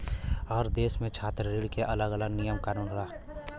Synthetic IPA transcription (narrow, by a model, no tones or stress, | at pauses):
ɔːɾd̪eːsmẽt͡ʃʰaːt̪ɾɾiːɽkeʔɐləɡələɡnijəmkaːnuːnɦʊɽaː